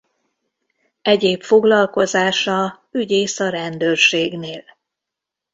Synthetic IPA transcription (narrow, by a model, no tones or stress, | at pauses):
ɛɟeːpfo̞ɡlɒlko̞zaːʃɒ | yɟeːsɒɾɛnd̪øːrʃeːɡneːl